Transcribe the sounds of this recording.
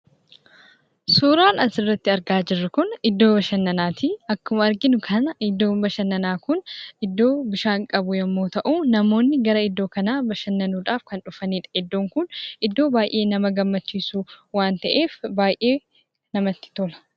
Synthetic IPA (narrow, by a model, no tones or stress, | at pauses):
suːɾaːnɐsɪrːɐt̪ːɪɐɾɡaːd͡ʒɪrːɐkʊnɪd̪ːo̞ːbɐʃɐnːɐnaːt̪ʰiːɐkːʊmɐɐɾɡɪnʊkʰɐnɐɪd̪ːo̞ːmbɐʃɐnːɐnaːkʊnɪd̪ːo̞ːbɪʃaːŋkʼɐbʊjɐmːo̞ːt̪ɐʔuːnɐmo̞ːnːɪɡɐɾɐɪd̪ːo̞ːkɐnaːbɐʃɐnːɐnuːᶑaːfkɐnᶑʊfɐniːᶑɐ̥ɪd̪ːo̞ːŋkʊnɪd̪ːo̞ːbaːjʔe̞ːnɐmɐɡɐmːɐt͡ʃːiːsuːwaːnt̪ɐʔe̞ːfbaːjʔe̞ː | nɐmɐt̪ːɪ̥t̪ɔlɐ̥